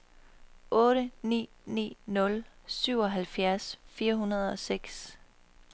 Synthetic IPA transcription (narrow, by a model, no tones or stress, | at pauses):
ʔɔ̽ːɾənḭː | nḭːnɔ̽lsyʊɒ̽ɦælfjæɐsfiːɐɦunɐð̞̩ˠɒ̽seɡ̥s